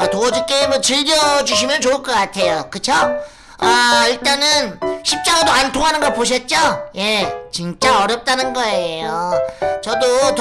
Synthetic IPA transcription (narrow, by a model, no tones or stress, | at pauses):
atoʌd͡ʑuk͈emʌt͡ɕɯʎɡʌd͡ʑuɕ̬ʰimjʌnt͡ɕoɯɭk͈ʌk͈atʰe̞jokɯt͡ɕʰo | aiɭt͈anɯnɕʰip̚t͡ɕ͈aɡadoantʰoŋɦanɯnɡʌt̚poɕ̬ʰʌt̚t͡ɕ͈oje̞t͡ɕint͡ɕ͈aʌɾjʌp̚t͈anɯnɡʌe̞jot͡ɕʌdot